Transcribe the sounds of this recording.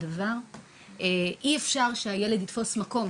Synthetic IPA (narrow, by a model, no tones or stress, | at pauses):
davaʁ | eʔiefʃaʁʃeajele̞ditfo̞smako̞m